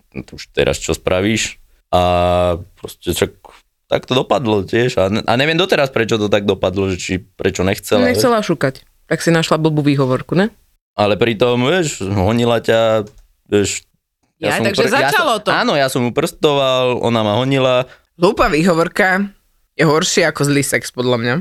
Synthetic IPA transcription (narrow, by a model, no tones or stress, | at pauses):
t̪uʃt̪ɛ̰ɾʔa̰st͡ʃɔspɾʔaʋiːʃ | apɾɔscɛʃak̚ | t̪a̰kt̪ɔd̪ɔpad̪lɔcɪɛʃanɛʔa̰ɲɛʋɪɛmd̪ɔt̪ɛɾaspɾɛt͡ʃɔt̪ɔt̪aɡ̚d̪ɔpad̪lɔʒɛt͡ʃipɾɛt͡ʃɔɲɛxt͡sɛlaɲɛxt͡sɛlaʃukac | t̪aksinaʃlabl̩buʋiːɦɔʋɔɾkunɛ | alɛpɾit̪ɔmʋɪɛʃɦɔɲilaca | ʋɪɛʃ | jastmaɡʒɛzajat͡ʃalɔt̪ɔaːnɔjasɔmjupr̩st̪ɔʋalˠɔ̰namaɦɔɲila | ɦluːpaːʋiːɦɔʋɔɾka | jɛɦɔɾʃɪaakɔzliːsɛkspɔd̪ʎamɲa